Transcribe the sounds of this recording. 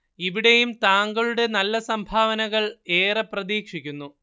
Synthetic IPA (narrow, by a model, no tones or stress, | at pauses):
iʋiɽe̞jumt̪aːŋɡɐɭuɽe̞nɐlːɐsɐmbʱaːʋɐnɐɣɐɭe̞ːrɐprɐðiːkʂikʲːunːu